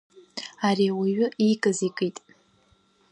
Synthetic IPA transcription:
aɾiwiɥʊikʼɨzikʼitʼ

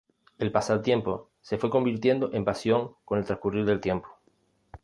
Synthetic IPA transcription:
e̞lpasaðot̪je̞mpo̞ | se̞fwe̞ko̞mbiɾt̪je̞nd̪oʔempasjo̞ŋko̞net̪ɾaskuriɾðe̞lt̪je̞mpo̥

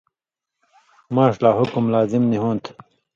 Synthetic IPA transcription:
mãːʂlaːɦukumlaːzimniɦõːnt̪ʰ

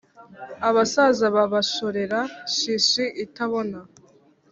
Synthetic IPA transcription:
aβasazaβaβaʃo̞ɾe̞ɾaʃiʃiʔitaβo̞na

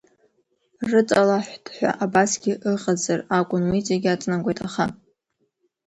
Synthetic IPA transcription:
rɨt͡sʼalaħʷd̥ħʷᶣa̰ʔabasɡʲɪʔɨqʼazarakʷʼʊnwit͡sʼeɡʲat͡sʼnakʷʼejtʼaχa

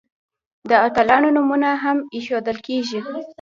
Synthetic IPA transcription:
d̪əat̪alɑnonumunaɦamiʃod̪əlkeʒi

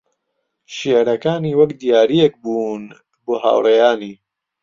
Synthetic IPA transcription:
ʃeʕɾɐkaːniːwɐkd̪ijaːɾijek̚buːn | boːɦa̰ːwrejaːniː

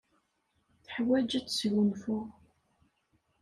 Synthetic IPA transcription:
θə̥ħwæd͡ʒət͡sːsʝʊnfʊʁ

